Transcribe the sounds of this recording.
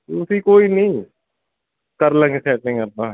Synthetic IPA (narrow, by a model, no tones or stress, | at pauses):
ʊsiːkoːiːnĩː | kəɾlə̃ŋɡsɛːʈɪ̃ŋəɾt̪ãː